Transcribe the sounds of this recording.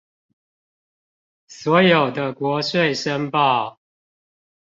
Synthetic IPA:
swɔ˨˦jo˨˩ʊd̪ə˦kwɔ˨˦ʂwe˥˨ɪʂə˦ŋpɑ˥˨ʊ

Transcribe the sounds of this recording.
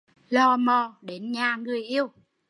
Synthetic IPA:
lɔ˧˩mɔ˨˩ɗe˨˦nɲaː˨˩ŋɨ˨˩əjʔi˧əw

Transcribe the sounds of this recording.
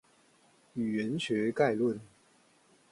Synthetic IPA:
y˨˩ɥɛ˨˦nɕɥɛ˧˥ka˥˧ɪlwə˥˨n

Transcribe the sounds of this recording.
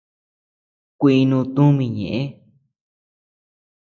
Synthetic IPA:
kʷi˧i˧nũ˧t̪ũ˦mĩ˧˨ɲḛ̃˨ʔẽ˦

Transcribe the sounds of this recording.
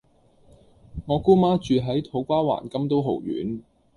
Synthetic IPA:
ŋɔː˨˧kuː˥maː˥t͡ʃyː˨ɦɐ˨˥jt̪ʰo˨˥wkʷaː˥wa̰ː˨˩nkɐ˥mt̪̬o˥wɦo̰˨˩wjy̰ː˨˥n

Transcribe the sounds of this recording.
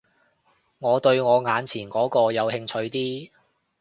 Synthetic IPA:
ŋɔː˨˧t̪ɵ˧ɥŋɔː˨˧ŋaː˨˧nt͡sʰiː˨˩nkɔː˨˥kɔː˧jɐ˨˧whɪ˧ŋt͡ʃʰɵ˧ɥt̪iː˥

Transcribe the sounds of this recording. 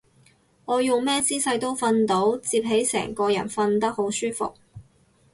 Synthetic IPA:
ŋɔː˨˧jʊ˨˩ŋmɛː˥t͡siː˥sɐ˧jt̪o˥wfɐ˧nt̪o˨˥wt͡siː˧p̚ɦe˨˥jsɛ̰ː˨˩ŋkɔː˧jɐ̰˨˩nfɐ˧nt̪ɐ˥k̚ho˨˥wsyː˥fʊ̰˨k̚

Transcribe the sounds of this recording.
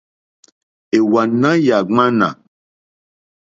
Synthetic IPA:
e˨wa˨nã˦ja˨ŋ͡mã˦nã̰˨

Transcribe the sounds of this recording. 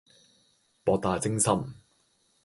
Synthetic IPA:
pɔː˨˧k̚t̪aː˨˩t͡sɪ˥ŋsɐ˥m

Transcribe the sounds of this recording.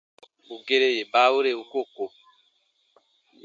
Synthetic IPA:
u˨ɡe˦ɾe˦je˨ba˦o˦ɾe˨u˨ko˦˨ko˨

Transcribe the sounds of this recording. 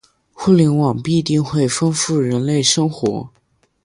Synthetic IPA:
xu˥˩ljɛ˧˥nwɑ˨˩ŋpi˥˧t̪i˥˧ŋxwe˥˩ɪfɤ˥nfu˥˩ɻə˧˥nle˥˩ɪʂɤ˥ŋxwɔ̰˧˥

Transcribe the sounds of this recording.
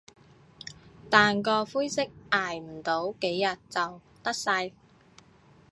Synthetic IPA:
t̪aː˨nkɔː˧fuː˥jsɪ˥k̚aː˨˩jm̩˨˩t̪o˨˥wke˨˥jːɐ˨t̚t͡sɐ˨w | t̪ɐ˥k̚sɐ˧j

